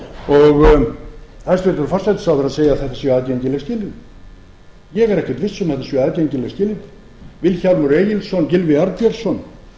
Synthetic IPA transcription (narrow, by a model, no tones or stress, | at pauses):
ɔɣ | θɛst̪vɪɾt̪ʏɾfɔr̥sajt̪ɪ̥sawθɾaðseːjaðθɛht̪ḁsvjœaðcejɲcɪlɛɣscɪːlɪt̪ | jɛɣɛɾɛhcvɛɾt̪vɪst̪sɛmθɛt̪ːasvjɛaðcejɲcɪlɛɣscɪlɪt̪ | vɪlçalmuɾeːjɪlsɔncɪlvɪaɾt̪jɛɾsɔn